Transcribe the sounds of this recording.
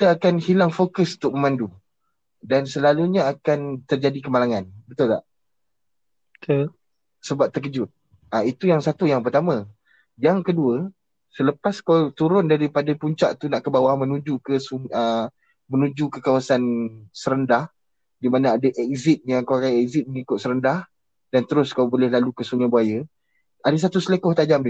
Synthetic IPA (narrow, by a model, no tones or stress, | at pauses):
kit̪aakanhilaŋfokəsunt̪ʊk̚məmãndu | dansəlaluɲaakant̪ərd͡ʒadikəmalaŋanbət̪ʊlka̰ʔ | kə | səbap̚t̪əkəd͡ʒʊt̪̚ | ait̪ujaŋsat̪ujaŋpərt̪amã | jaŋkəduə | sələpaskawt̪uɾʊndaɾipadapuɲt͡ʃaʔt̪unaʔkəbawamə̃nud͡ʒukəsuŋə | mənud͡ʒukəkawasansəɾəndah | dimanaadaʔɛkzɪt̪̚jaŋkaakajɛkzit̪̚məŋikʊt̪̚səɾəndah | d̥ant̪əɾʊskawbolɛhlalukəsuŋabuajə | adas̬at̪usələkɔht̪ad͡ʒam